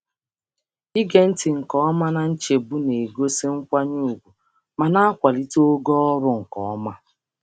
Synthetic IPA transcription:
i˦ɡe˨n̩˦tɪ˨ŋ̩˨kɔ˦ɔ˦ma˦na˨n̩˦t͡ʃe˨bu˦ne˨ɡo˦se˦ŋ̩˦kʷa˦ɲu˦u˨ɡʷu˨ | ma˨na˦a˦kʷa˨li˦to˦o˦ɡɔ˦ɔ˦ɾʊ˦ŋ̩˨kɔ˨ɔ˦ma˦

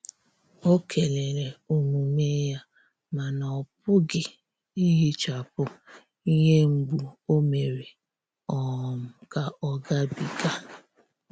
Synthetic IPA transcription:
o˦kʰe˨le˨ɾe˨u˨mu˨me˦ja˦ | ma˨nɔ˨p̚ʊ˦ɡɪ˨ | i˦ɦi˦t͡ʃa˨pʊ˦ | i˦ɲe˦ŋ͡m̩˨ɡ͡bu˨o˦me˨ɾe˨ | ɔ˨m̩˨ka˨ɔ˦ɡa˦bi˨ɡa˦

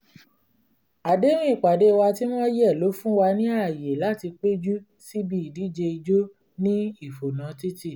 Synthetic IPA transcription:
a˨de˨˦ɾ̃ĩ˦i˦˨k͡pa˨de˨˦˧wa˧ti˦mã˦jɛ˦˨lo˨˦fũ˦wa˧nĩ˦a˦˨je˨la˦ti˧k͡pe˦d͡ʒu˦ | si˦bi˦i˨di˨˦d͡ʒe˧i˧d͡ʒo˦ | nĩ˦i˦˨fo˨nã˨˦ti˦ti˦˨

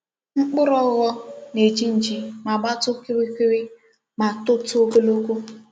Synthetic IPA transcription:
ŋ͡m̩˦k͡pʊ˦ɾɔ˦ɣɔ˦ne˨d͡ʒi˦n̩˨d͡ʒi˨ma˨ɡ͡ba˦tʊ˦ke˦wi˦ki˦ɾi˦ | ma˨tʊ˦tʊ˦o˦ko˦lo˦ku˦

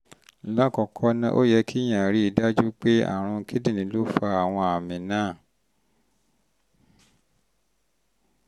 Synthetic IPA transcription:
la˦˨kɔ˨kʰɔ˦nã˧ʔo̰˦˨jɛ˧kʰi˦j̃ã˨ɾi˦i˨da˦d͡ʒu˦k͡pe˦a̰˦˨ɾ̃ũ˧˦kʰi˦dĩ˦˨nĩ˨˦lo˦fa˧a˨w̃ɔ̃˧a˨mĩ˨nãː˦˨

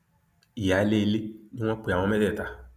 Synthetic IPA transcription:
i˨ja˨˦le˦˧le˦nĩ˦w̃ɔ̃˦k͡pi˨˧a˨w̃ɔ̃˧mɛ˦dɛ˦˨ta˧

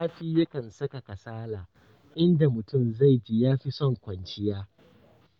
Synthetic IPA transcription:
aː˦ɸiː˦jɐ˦kɐ˨nsɐ˦ka˨ka˨saː˦laː˨ | ʔɪ˦nda˨mʊ˨tʊ˦˨mza˦˨jd͡ʒiː˨jaː˦ɸi˦sɔ˦ŋkʷɐ˨nt͡ʃɪ˦jaː˦

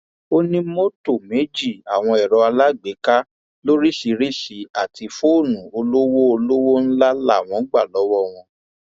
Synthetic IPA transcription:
o˦nĩ˦mo˦to˦˨me˨˦d͡ʒi˦˨a˨w̃ɔ̃˧ɛ˨ɾɔ˨˧a˧la˦˨ɡ͡be˨˦ka˦ | lo˦ɾi˦ʃi˨˧˦ɾi˦˨ʃi˨˦a˦˨tʰi˧fo˦˨nũ˨o˧lo˦wo˦o˧lo˦wo˦n̩˦la˦la̰˦˨w̃ɔ̃˨˦ɡ͡ba˦˨lɔ˨˦wɔ˦˨w̃ɔ̃˧

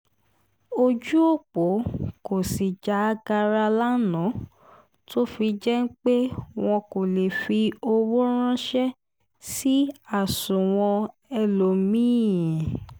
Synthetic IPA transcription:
o˧d͡ʒu˦o˦˨k͡po˨˦ko˨si˨d͡ʒa˨˧˦ɡa˧ɾa˧la˦nɔ̃˨˦ | to˦fi˧d͡ʒɛ˦n̩˦k͡pe˦w̃ɔ̃˧ko˨le˨fi˧o˧wo˦ɾ̃ã˦ʃɛ˦ | si˦a˦˨sũ˨w̃ɔ̃˧ | ɛ˧lo˨mĩː˦˨

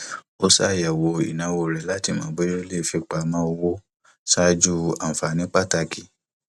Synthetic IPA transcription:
o˦sa˦˨jɛ˨wo˧ḭ˨nã˨˦wo˧˨ɾɛ˨˦la˦ti˦˨mãː˨˦be˦jo˦le˦˨fi˧k͡pa˨mãː˦o˧wo˦ | sa˦d͡ʒu˦a˨fa˨nĩ˨˦k͡pa˦˨ta˧ki˨

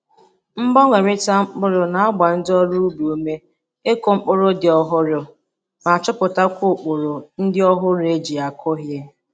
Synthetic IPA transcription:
m̩˦bɔ˦ŋʷe˨ɾɪ˦ta˦ŋ͡m̩˦k͡pʊ˦ɾʊ˦na˨a˦ɡ͡ba˨n̩˦dɔ˦ɾu˦u˦bu˨me˦ | e˦ko˨ŋ͡m̩˦k͡pʊ˦ɾʊ˦dɪ˨ɔ˦ɦʊ˦ɾjʊ˨ | ma˨t͡ʃʊ˦pʊ˨ta˦kʷʊ˦˨k͡pʊ˨ɾʊ˨n̩˦dɪ˦ɔ˦ɦʊ˦ɾe˦d͡ʒi˨a˨kʰʊ˦ɦje˦

